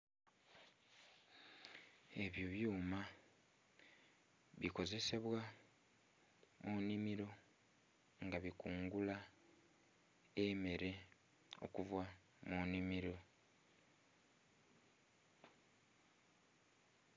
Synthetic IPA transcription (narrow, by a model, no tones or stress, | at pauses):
e̞βjoβjuːma | βiko̞ze̞se̞βwa | monimiɾo̞ | ŋɡaβikuːŋɡula | eme̞ɾe̞ | o̞̰kuvwa | monimiɾo̞